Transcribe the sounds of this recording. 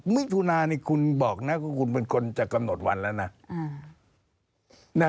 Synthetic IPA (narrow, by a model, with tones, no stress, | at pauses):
mi˦˥˨t̪ʰuː˧naː˧ni˧˩kʰu˧nbɔː˨˩k̚na˦˥kɔ˧˩kʰu˧npe˧nkʰo˧nt͡ɕa˨˩ka˧mno˨˩t̪̚wa˧nlɛː˦˥wna˦˥˧ | na˦